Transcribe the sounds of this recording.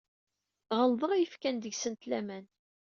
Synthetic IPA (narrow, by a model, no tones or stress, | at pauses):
ʁəlˤðˤəʁjəfkænd̪əʝsənt̪læmæn